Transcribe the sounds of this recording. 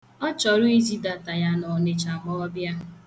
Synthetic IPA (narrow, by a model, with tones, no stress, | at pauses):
ɔ˦t͡ʃɔ˨ɾʊ˦i˦zi˦da˨ta˨ja˦nɔ˨ne˨t͡ʃa˨mɔ˦ɔ˦bja˦